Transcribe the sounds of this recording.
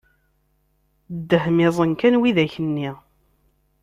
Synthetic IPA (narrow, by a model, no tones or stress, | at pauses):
d̪ːəhmɪzˤənkænwiðæçənːi